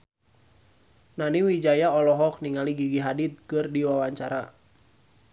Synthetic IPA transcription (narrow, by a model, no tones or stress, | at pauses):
naniwid͡ʒajaɔlɔɦɔk̚niŋaliɡiɡiɦadit̪̚kɨrdiwawaɲt͡ʃaɾa